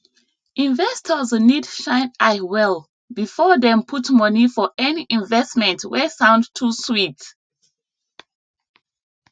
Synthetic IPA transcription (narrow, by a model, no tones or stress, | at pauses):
ʔĩɱvɛstʰəznidʃãɪ̃nawɛlˠ | bifɔðɛ̃mpʰutmʌnifɔʔɛniʔĩnvɛstmɛ̃ntwɛsãʊ̃ndtʰuswit